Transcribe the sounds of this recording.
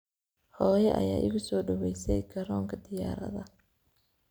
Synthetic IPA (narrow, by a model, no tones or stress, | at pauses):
hɔːjɛʔɐ̰jaːʔɪ̰ɣʊsɔːɖɔwɛjsɛjkʰɐɾɔːŋkʰɐd̪ɪjaːɾɐ̰ðɐ